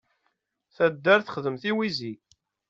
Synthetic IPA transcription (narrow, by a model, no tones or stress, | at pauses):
θæd̪ːæɾθə̥χəðəmθiwizi